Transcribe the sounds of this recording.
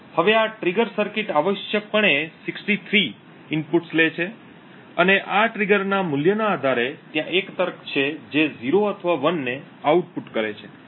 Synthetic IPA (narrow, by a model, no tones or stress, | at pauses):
həʋeaʈɾiɡəɾsəɾkɪʈaʋəʃjək̚pəɳesɪksʈit̪ʰɾi | ɪnpuʈslet͡ʃʰe | əneʔaʈɾiɡəɾnamʊljənaːd̪ʱaɾet̪jãʔekt̪əɾkʰt͡ʃʰed͡ʒeziɾoət̪ʰəʋaʋənːe | auʈ̚puʈkəɾet͡ʃʰe